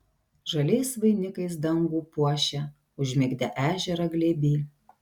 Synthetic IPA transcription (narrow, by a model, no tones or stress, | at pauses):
ʒɐlʲɛɪsʋɐɪnʲɪkɐɪs̬d̪ɐŋɡuːpuɔʃʲɛ | ʊʒʲmʲɪɡʲd̪ʲɛʔæːʒʲɛɾɐɡlʲeːbʲiː